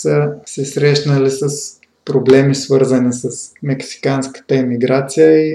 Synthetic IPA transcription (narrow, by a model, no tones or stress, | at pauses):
səsɛsɾɛʃnəlisəs | pɾoblɛmisvɤɾzənisəsmɛksi̥kanskə̥t̪əɛmiɡɾat̪sijəi